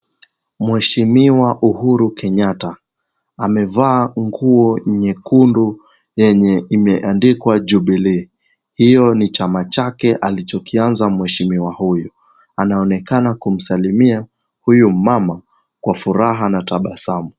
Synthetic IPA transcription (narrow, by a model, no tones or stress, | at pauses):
mwɛʃimiwaʔuhuɾukɛɲataː | mɛvaːŋɡuɔɲɛkundu | jɛɲɛimɛʔandikwad͡ʒuɓili | hijɔnit͡ʃamat͡ʃakɛʔalit͡ʃɔkianzamwɛʃimiwahuju | anaɔnɛkanakum̩salimia | hujumama | kwafuɾaɦanataɓasamu